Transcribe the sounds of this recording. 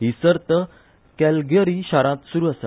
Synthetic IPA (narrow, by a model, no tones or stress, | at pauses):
ɦisəɾt̪ə | kɛlɡjəɾiɕaɾãt̪suɾuːasa